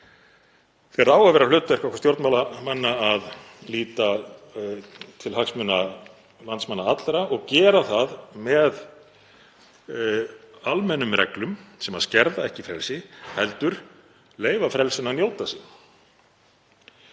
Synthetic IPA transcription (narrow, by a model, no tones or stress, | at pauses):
θɛraːwavɛɾalʏːt̪ːaɛɾhkvahkvḁst̪jowɾt̪nmalamanːaað | liːt̪a | t̪ʰɪlhaksmʏna | lant̪smanːaat̪lɾaɔɣcɛːɾaθaðmɛð | almɛnʏmrɛ̰klʏmsɛmaðscɛɾðaɛhcɪfɾɛlsɪhɛlt̪ʏɾ̥ | leːjvafɾɛlsɪnanjow̪t̪asin